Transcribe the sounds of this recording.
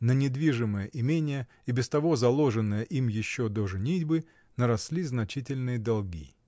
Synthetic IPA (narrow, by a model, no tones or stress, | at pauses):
nənʲɪd̪vʲiʐɨməjəʔɪmʲenʲɪjə | ibʲɪst̪ɐvo̞zɐlˠoʐɨnːəjəʔimjɪɕːod̪oʐɨnʲidʲbɨ | nəɾɐslʲiznɐt͡ɕitʲɪlʲnɨjəd̪ɐlˠɡʲḭ